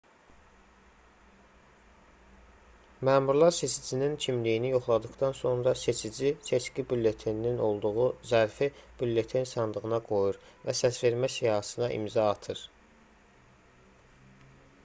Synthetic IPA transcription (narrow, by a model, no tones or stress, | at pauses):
mæːmuɾlˠɑɾse̞t͡ʃʰid͡ʒinincʰimlijinijoχlˠɑd̪ɯχd̪ɑnso̞nɾɑse̞t͡ʃʰid͡ʒisʰe̞t͡ʃcibylːe̞t̪ʰinino̞lˠd̪uʁuzæɾfib̥ylːe̞t̪ʰinsɑnd̪ˠɯɣɯnɑɡo̞juɾvæsæsve̞ɾmæsijɑɦɑsɯnɑʔḭmzɑːt̪ʰɯɾ